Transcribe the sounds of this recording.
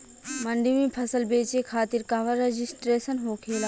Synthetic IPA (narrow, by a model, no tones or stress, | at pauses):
mə̃ɳɖimĩpʰɐsəlbeːt͡ʃekʰaːt̪ɪɾkaːʋaɾed͡ʒɪsʈɾeːsənɦoːkʰeːlaː